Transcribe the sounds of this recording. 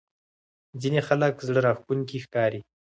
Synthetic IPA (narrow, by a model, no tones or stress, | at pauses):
d͡zinexaləkzɽəɾɑxkuŋkixkɑːɾi